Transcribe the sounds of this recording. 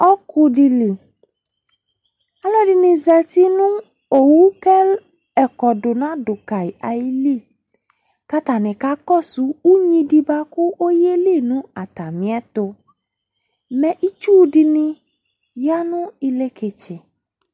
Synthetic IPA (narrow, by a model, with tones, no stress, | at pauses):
ɔ˦kʰʊ˧di˧li˨ | a˦lɔ˦di˧nĩ˧zɛ˨t̪i˦nʊ̃˦ | o˨wu˦kɛ˦ | ɛ˨kɔ˨dʊ˨nã˨˦dʊ˨ka˨i˨a˨ji˦li˦˨ | ka˦t̪a˨nɪ̃˨ka˨˦kɔ˦˨su˨˦u˦ɲĩ˧di˧ba˧kʊ˦ʔo˦je˦li˦˨nũ˦a˨t̪a˨mĩ˨˦ɛ˦t̪ʊ˧ | mɛ̃˨ʔi˦t͡ʃu˦di˧nɪ̃˧ | ja˦nʊ̃˦i˧le˦ke˧t͡ʃɪ˨